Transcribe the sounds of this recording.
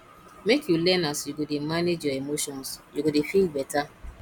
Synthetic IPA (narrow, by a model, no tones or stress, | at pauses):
mekʰjulɛnasjuɡodemaned͡ʒɔemoʃɔ̃nsjuɡodefilbɛta